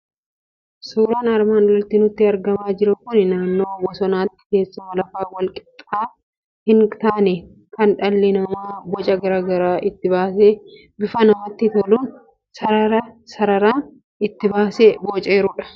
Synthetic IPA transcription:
suːɾaːnɐɾmaːnlɐlt̪ːɪnʊt̪ːɪɐɾɡɐmaːd͡ʒɪɾɐkʊnɪnaːnːo̞ːwɔsɔnaːt̪ːɪ̥ke̞ːsːʊmɐlɐfaːwɐlkʼɪ̥t̪ʼaː | hɪnt̪aːnɛ | kɐnᶑɐlːɪnɐmaːbɔt͡ʃʼɐɡɐɾaːɡɐɾaːʔɪt̪ːɪbaːse | bɪfɐnɐmɐt̪ːɪt̪ɔluːn | sɐɐɾɐsɐɾɐɾaː | ɪt̪ːɪbaːseːbot͡ʃʼeːɾʊːᶑɐ̥

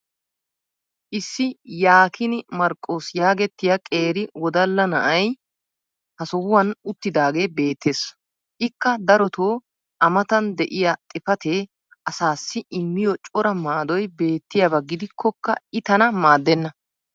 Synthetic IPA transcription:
ʔɪsːɪjaːkʰɪnɪmɐɾkʼːo̞ːsjaːɡɛt̪ːɪjɐkʼe̞ːɾɪwɔd̪ɐlːɐnɐʔɐj | hɐsɔwʊwɐnʊt̪ːɪd̪aːɡe̞ːbe̞ːt̪ːe̞ːs | ʔɪkːɐd̪ɐɾɔt̪oː | ʔɐmɐt̪ɐnd̪ɛʔɪjɐt̪ʼɪfɐt̪eː | ʔɐsaːsːɪɪmːɪjɔt͡ʃʼɔɾɐmaːd̪ɔjbe̞ːt̪ːɪjabɐɡɪd̪ɪkʰːɔkːɐ̰ɪt̪ɐnɐmaːd̪ːɛnːɐ

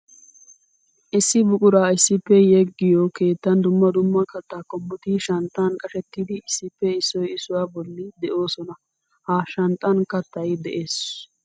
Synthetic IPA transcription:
ʔɪsːɪbʊkʼʊɾaːɪsːɪpːɛjɛɡːɪjɔke̞ːt̪ːɐnd̪ʊmːɐd̪ʊmːɐkɐt̪ːaːkɔmːʊt̪iʃɐnt̪ʼːɐnkʼɐʃɛt̪ːiːd̪ɪɪsːɪpːɛɪsːɔjɪsʊwaːbɔlːɪd̪ɛʔo̞ːsɔnɐ | haʃɐnt̪ʼɐnkɐt̪ːɐjd̪ɛʔe̞ːs

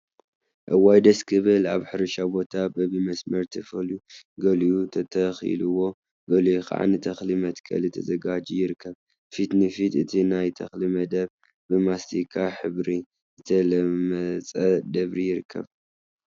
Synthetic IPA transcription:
ʔɐwajd̪ɐskʰɨβɨla̰βħɨɾɐʃabo̞t̪ʰabɐβimɐsmɐɾt̪ʰɐfɐluɡɐljut̪ʰɐt̪ʰɐxḭlɨwo̞ | ɡɐlixa̰ʕa̰nɨt̪ʰɐxlimɐt̪kʰɐ̰lɨt̪ʰɐzɐɡad͡ʒijɪɾɨkʰːɐβ | fit̪nɨfit̪ɨt̪ʰinajt̪ʰɐxlimɐd̪ɐβ | bɨmast̪ʰikʰaħɨβɾi | zɨt̪ʰɐlɐmɐt͡sʼɐd̪ɐβɾijɪɾɨkʰːɐ̰β

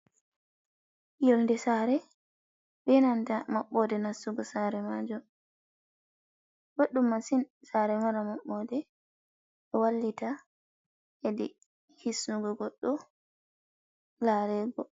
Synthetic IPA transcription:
jɔlndɛsaːɾɛ | bɛnantamaɓːɔdɛnasːuɡɔsaɾɛmad͡ʒɔ | ɡoɗːumːasinsaɾɛmɔɾamaɓːɔdɛ | ɛwalːita | edḭ | hisːuɡɔɡɔɗːɔ | laɾɛːɡɔ

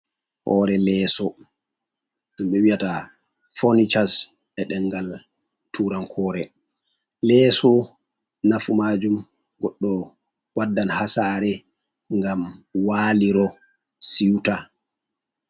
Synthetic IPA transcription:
hɔɾɛlɛːsɔ | ɗumɓɛwijata | fonit͡ʃas | ɛɗɛŋɡal | tʰuɾankʰɔːɾɛ | lɛːsɔ | nafumad͡ʒum | ɡɔɗːɔ | wadːanhasaːɾɛ | ŋɡamwaːliɾɔ | siwta

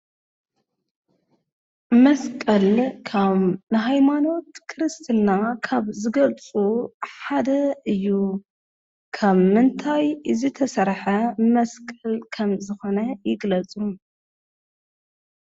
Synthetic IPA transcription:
mɐskʼɐlkʰaββnɨɦajmano̞t̪kʰɨɾɨst̪ʰɨnakʰaβzɨɡɐlt͡sʼuħad̪ɐɨjːu | kʰaβmɨnt̪ʰajɨzɨt̪ʰɐsɐɾħɐmɐskʼɐlkʰɐmzɨxo̞nɐjɪɡlɐt͡sʼu

